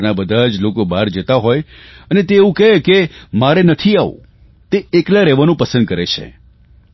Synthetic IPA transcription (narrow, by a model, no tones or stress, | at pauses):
nabəd̪ʱad͡ʒlokobaɾd͡ʒət̪aɦoj | ənet̪eːũkɛkemaɾenət̪ʰiaṵ̃ | t̪eeklaɾɛʋanũpəsənd̪̚kəɾet͡ʃʰḛ